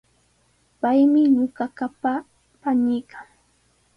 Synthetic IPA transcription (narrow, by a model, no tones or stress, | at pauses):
pajmɪɲʊɢakapa | panɪjkʰaŋ